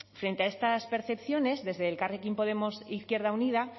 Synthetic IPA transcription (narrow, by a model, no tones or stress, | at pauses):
fɾe̞nt̪eae̞st̪aspe̞ɾθe̞pθjo̞ne̞zðe̞zðe̞lkarekimpo̞ð̞e̞mo̞siθkje̞ɾð̞auniða